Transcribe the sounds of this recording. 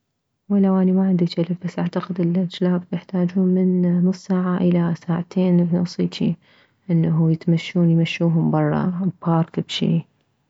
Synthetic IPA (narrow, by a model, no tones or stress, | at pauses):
walːawʔaːnimaʕɪnd̪it͡ʃalɪbbasːʔaʕt̪aqɪd̪ɪlad͡ʒlaːbjɪħt̪aːd͡ʒuːnmɪnnʊsˤsaːʕaʔɪlasaːʕat̪ʰeːnnɑsˤiːt̪ʰḭ | ʔɪnːaɦʊjɪt̪maʃːuːnjmaʃːuːɦʊmbɑrˤːɑ̰bɑːɾˤkbʃḭː